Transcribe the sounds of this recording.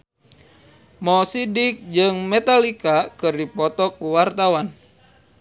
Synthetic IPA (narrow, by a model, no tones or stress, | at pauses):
mɔsidik̚d͡ʒɨŋmɛt̪alikakɨrdipɔt̪ɔkuwart̪awan